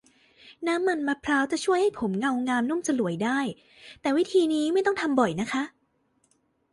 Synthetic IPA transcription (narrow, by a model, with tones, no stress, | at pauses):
naː˦˥mːa˧nma˦˥pʰɾaː˦˥wt͡ɕa˨˩t͡ɕʰu˥˩əjha˥˩jpʰo˩˦mŋa˧wŋaː˧mnu˥˩˨mt͡ɕa˧lu˩˦əjdaː˥˩j | t̪ɛː˨˩wi˦˥t̪ʰiː˧niː˦˥ma˥˩j̪ɔ˥ŋt̪ʰa˧mbɔ˨˩jna˦˥kʰa˦˥ʔ